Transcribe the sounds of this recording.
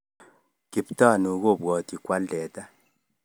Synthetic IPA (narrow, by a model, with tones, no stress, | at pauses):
ki˨pta˦˨nu˨˦ɡo˦˨bwɔ˨ti˨kwa˦ldɛ˨ta˦